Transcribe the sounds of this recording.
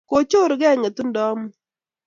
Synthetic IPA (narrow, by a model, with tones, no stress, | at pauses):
ko˨t͡ʃo˦˨ɾɡɛ˦˨ŋe˨tu˦n˦dɔ˦m˦